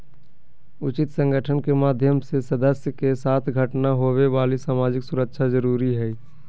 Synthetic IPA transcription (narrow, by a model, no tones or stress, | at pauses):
ʊt͡ʃɪt̪sə̃ŋɡəʈʰənkemaːd̪ʱjəmsesəd̪əsjəkesaːt̪ʰɡʱəʈnaɦowebaːlisaːmaːd͡ʒɪksʊɾəkʃʰazəɾuːɾiɦɛi